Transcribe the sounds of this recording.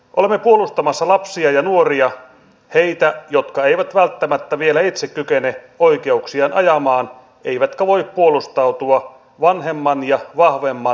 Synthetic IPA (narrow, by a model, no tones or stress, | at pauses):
ʔolemːepuolust̪ɑmɑsːɑlɑpsiɑjɑnuoriɑ | he̞jt̪æjot̪kɑeiʋæt̪ʋælt̪ːæmæt̪ːæʋielæit̪sekkykene | oike̞uksiɑnʔɑ̰jɑmɑːn | e̞iʋæt̪kæʋo̞ippuolust̪ɑut̪uɑ | ʋɑnɦe̞mːɑnjɑʋɑhʋemːɑ